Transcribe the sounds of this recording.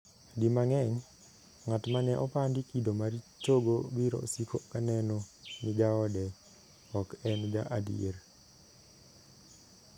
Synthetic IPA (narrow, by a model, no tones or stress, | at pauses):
dimaŋɛɲ | ŋatmanɛʔɔpandikidomaɾit͡ʃoɡobiɾɔ̰sikʰokanɛnɔniɡaɔdɛ | ɔkɛnɡaʔadḭeɾ